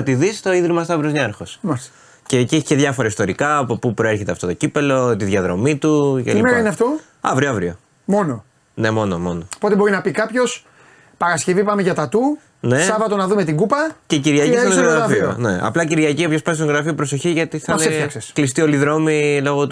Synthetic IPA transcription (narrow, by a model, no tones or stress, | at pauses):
ɐt̪iðist̪o̞iðɾimɐst̪ɐvɾozɲɐɾxosmɐis | ceciçiceðʝɐfoɾɐist̪o̞ɾikɐːpopupɾoe̞ɾçe̞t̪eɐft̪ot̪o̞cipe̞lo̞t̪iðʝɐðɾo̞mit̪ucḛimeɾɐineɐft̪o̞ | ɐvɾioɐvɾio | mo̞no̞ | ne̞mo̞nomo̞noopot̪e̞bo̞ɾinɐpikɐpço̞s | pɐɾɐsce̞vipɐmeʝɐt̪ɐt̪u | ne̞sɐvɐt̪onɐðumet̪iɡupɐceciɾʝɐcissoɣɾɐɾɐfioneɐ̰plɐciɾʝɐciopçospɐnst̪oɣɾɐfiopɾoso̞çiʝɐt̪iθɐneefɐksesklist̪io̞liðɾo̞milo̞ɣot̪